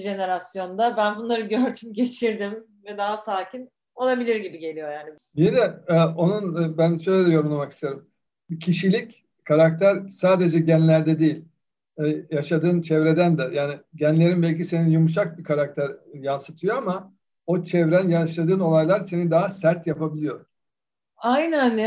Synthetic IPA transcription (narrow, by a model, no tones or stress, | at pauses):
ʒe̞ne̞ɾasjo̞nd̪abænbunlˠaɾɯɟøɾd̪ymɟe̞t͡ʃʰiɾd̪im | vɛd̪aɦasaːcʰin | o̞lˠabilʲiɾɟibiɟe̞lʲijo̞jaːni | jinɛɛo̞nunbænʃø̞jlʲed̪ɛjo̞ɾunlˠamaki̥st̪ʰeɾim | cʰiʃilʲic | kʰaɾak̚t̪ʰæɾsaːd̪e̞d͡ʒɛɟænlʲæɾd̪ɛd̪ejilʲ | jaʃad̪ɯːnt͡ʃʰɛvɾe̞d̪ænd̪ɛjaːniɟænlʲe̞ɾinbɛlʲcise̞ninjumuʃ̬ak̚bikʰaɾak̚t̪ʰæɾjansɯt̪ʰɯjo̞ama | o̞t͡ʃʰɛvɾænjaʃad̪ɯːno̞lˠajlˠaɾse̞nid̪aɦasæɾt̪japʰabilʲijo̞ɾ̥ | ajnæn